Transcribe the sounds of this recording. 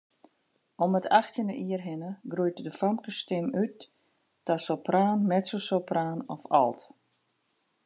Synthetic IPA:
ɔmətʰaxtjənə̰ʔiərɦɪnəɡrujtdəfamkəstɪmyt̚ː | asopraːnmɛtsosopraːnɔfɔ̰lˠt

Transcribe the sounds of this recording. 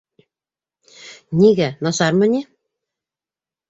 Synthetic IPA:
niɡænɑsɑɾmɤ̆nʲi

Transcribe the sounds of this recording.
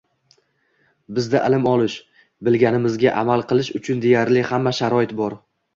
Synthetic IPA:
bɪzd̪aʔɪlɪmɒlˠɪʃ | bɪlɡʲanɪmɪzɡʲaʔamalˠqɨlˠɪʃʊt͡ʃʰʊnd̪e̞jaɾlɪhamːaʃaɾɒɪt̪bɒɾ

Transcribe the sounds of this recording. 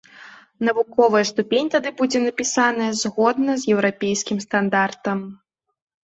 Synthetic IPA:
nɐvukɔvɐjɐst̪upʲenʲt̪ad̪ɨbud͡zʲɛnɐpʲisanɐjɐzɣɔd̪nɐzjɛwɾapʲejskʲimst̪and̪art̪ɐm

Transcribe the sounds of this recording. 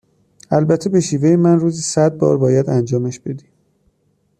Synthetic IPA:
ælbæt̪ʰːebe̞ʃiːvejemænruːzisæd̪̚bɒ̰ːɾbɒːjæd̪ænd͡ʒɒːmeʃb̥e̞d̪iː

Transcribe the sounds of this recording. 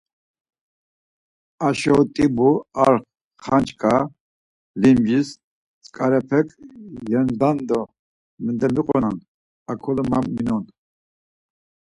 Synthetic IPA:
aʃɔt̪ʼibuaɾχ | χant͡ʃʰʼkʼa | limd͡ʒis | t͡sʼkʼaɾɛpʰɛkʼjɛnd̪and̪ɔ | mɛnd̪ɛmiqʼɔnan | akʰɔlmamːinɔn

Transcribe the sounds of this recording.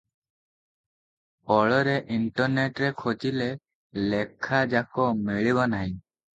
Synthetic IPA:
ɔɭɔɾeʔiɳʈɔɾneʈɾekʰot͡ʃile | lekʰad͡ʒakɔmeɭibɔnaɦĩ

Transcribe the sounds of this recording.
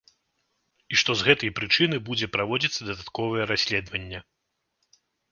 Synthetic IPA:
iʂt̪ɔzɣɛt̪ɐjpɾɨt͡ʂɨnɨbud͡zʲɛpɾavɔd͡zʲit̪sːɐd̪ɐd̪at̪kɔvɐjɛɾasʲlʲɛd̪vɐnʲːɛ

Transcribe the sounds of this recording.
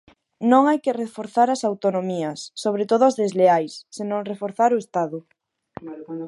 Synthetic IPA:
nõŋajkerefoɾθaɾɐsawt̪onomiɐsːoβ̞ɾet̪oðʊazðezleajsːenõŋrefoɾθaɾʊest̪aðʊ

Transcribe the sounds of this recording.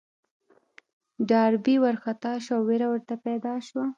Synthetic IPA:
ɖɑɾbiwaɾxat̪ɑʃawweɾawəɾt̪apɛd̪ɑʃwa

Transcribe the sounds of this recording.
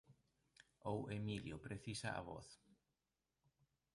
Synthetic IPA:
owemiljʊpɾeθisaa̰βɔ̰θ

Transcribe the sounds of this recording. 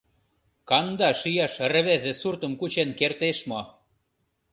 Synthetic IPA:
kɑnd̪ɑʃyjɑʃr̆βezĕsurt̪əmkut͡ɕenkert̪eʃmo

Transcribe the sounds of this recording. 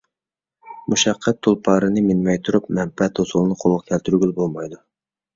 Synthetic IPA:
muʃɑqʰːɛt̪ʰːulˠpʰɑːɾɨnɨmɪnmɛjt̪ʰuɾup̚mɛmpɛt̪ʰosulˠɨnɨqʰolˠʁkʲʰɛlt̪ʰyɾɡʲylbolˠmɑjd̪u

